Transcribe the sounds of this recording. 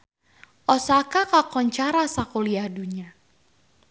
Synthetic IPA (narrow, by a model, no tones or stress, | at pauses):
ʔɔsakakakɔɲt͡ʃaɾasakoliaduɲa